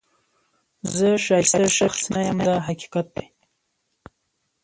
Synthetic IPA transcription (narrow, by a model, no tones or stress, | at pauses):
zəʃɑjst̪aʃaxsnajamd̪aɦaki̥kat̪̚d̪e